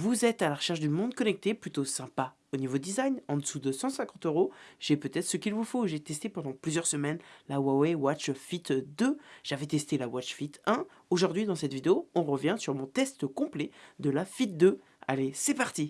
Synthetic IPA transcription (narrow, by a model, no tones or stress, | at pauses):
vuzɛt̪alaʁəʃɛʁʃd̪ymɔ̃d̪̚kɔnɛk̚t̪eplyt̪osɛ̃pa | onivod̪izajnɑ̃d̪əsud̪əsɑ̃sɛ̃kɑ̃t̪øʁoʒ̥ɛpøt̪ɛt̪χsəkʲilvufoʒet̪ɛst̪epɑ̃d̪ɑ̃plyzjœʁsəmɛnlawawɛwat͡ʃfit̪d̪øʒ̥avɛt̪ɛst̪elawat͡ʃfit̪ɛ̃ | oʒuʁd̪ɥid̪ɑ̃sɛt̪vid̪eoɔ̃ʁəvjɛ̃syʁmɔ̃t̪ɛst̪əkɔ̃plɛd̪əlafit̪̚d̪ø | a̰lesɛpaʁt̪i